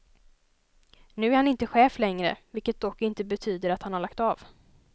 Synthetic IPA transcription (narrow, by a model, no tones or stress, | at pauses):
nʉ̟ːæɾhanɪnt̪əɧɛːflɛŋɾə̰vɪlkət̪̚d̪ɔkːɪnt̪əbɛt̪ʰyːd̪əɾat̪hanhaɭakt̪ɑːv